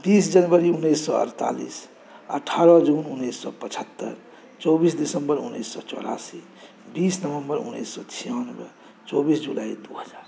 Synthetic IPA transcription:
b̪isd͡ʒʌnbʌɾiunːesːɔə̰ɾt̪a̰lḭs | ə̰ʈʰaɾʌd͡ʒununːesːɔ̰pət͡ʃʰət̪ːə̰ɾ | t͡ʃobisd̪isəmbʌɾṵnːḛsːɔ̰t͡ʃɔ̰ɾa̰si | bisnʌβəmbʌɾṵnːḛsːɔt͡ʃʰijanbə | t͡ʃobisd͡ʒulaid̪uɦəd͡ʒaːɾ

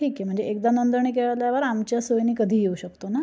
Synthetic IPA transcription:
ʈʰiːkjem̤əɳd͡zeek̚d̪anənd̪əɾɳiːkeɭaljaʋəɾamt͡ɕjasojniːkəd̪ʱiːjeuɕəkt̪ona

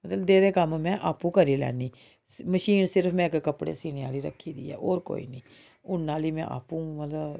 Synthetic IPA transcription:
mət̪ləd̪eːd̪eːkəmmɛ̃ːʔaːpũːkəɾiːlɛ̰ːniː | məʃiːnsɪɾfmɛ̃ːɪkkəpɽḛːsiːñeaːliːɾə̰kʰːiːd̪ḭːɛ̰ːʔoːɾko̰ːḭːnĩː | ʊnːaːliːmɛ̃ʔa̰ːpũːmət̪ləb

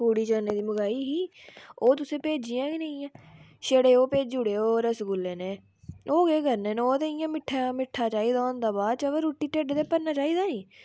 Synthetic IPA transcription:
uːɽiːt͡ʃaːneːd̪iːməɡaːiːɦiːoːt̪ʊsẽːpeːd͡ʒijãːɡinə̃ĩãː | ʃeːɽeːoːpeːd͡ʒd͡ʒʊɽeːoːɾəsɡʊlːeːneː | oːɡeːɡəɾneːnːoːt̪eːɪjãːmɪʈʰːaːmɪʈʰːaːt͡ʃaːiːd̪aoːnd̪aːbaːd̪̚t͡ʃəʋəɾuːʈːiːʈeɖt̪eːpəɾnaːt͡ʃaːiːd̪aːnĩː

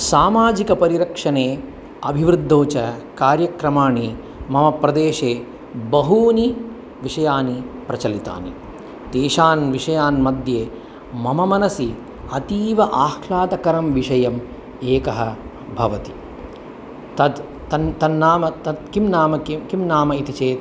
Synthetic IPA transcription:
saːmaːd͡ʒikɐpɐɾiɾɐkʂɐneː | ɐ̰bʱiʋɾɨd̪ʱːoːt͡ʃɐkaːɾjɐkɾɐmaːɳi | mɐmɐpɾɐd̪eːʃeː | bɐɦuːni | ʋiʂɐjaːnipɾɐt͡ʃɐlit̪a̰ːnḛ | t̪eːʃaːnʋiʂɐjaːnmɐd̪ʱjeː | mɐmɐmɐnɐsi | ɐt̪iːʋɐʔaːxʰlaːt̪ɐkɐɾɐmʋiʂɐjɐm | eːkɐɦɐ | bʱɐʋɐt̪i̥ | t̪ɐd̪ | t̪ɐt̪ɐnːaːmɐt̪ɐd̪kimnaːmɐkikimnaːmɐit̪it͡ʃeːt̪

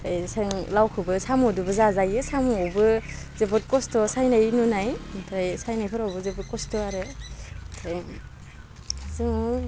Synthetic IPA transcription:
ajsaŋlawkʰɯbɯsamɔdubɯzazajɯsamuɔwbɯ | zebɔt̚kɔstɔsajnajnunajpʰɾajsajnajpʰɯɾɔwbɯzebɔt̚kɔstɔaɾetʰaj | sɯŋ

